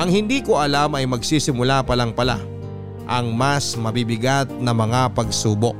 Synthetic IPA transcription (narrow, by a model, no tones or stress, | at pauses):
ʔɐŋhɪnd̪iːkoʔɐlamɐjmɐɡsiːsɪmʊlapɐlaŋpɐla̰ | ʔɐŋmasmɐbibɪɡat̪̚nɐmɐŋapɐɡsuːboʔ̚